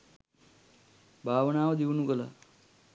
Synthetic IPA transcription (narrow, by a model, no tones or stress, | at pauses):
bʱaːʋənaːʋəd̪iʋunukəla̰